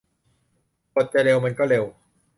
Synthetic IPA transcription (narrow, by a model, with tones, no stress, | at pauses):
ko˨˩t̪̚t͡ɕa˨˩ɾe˧wma˧nkɔː˥˩ɾe˧w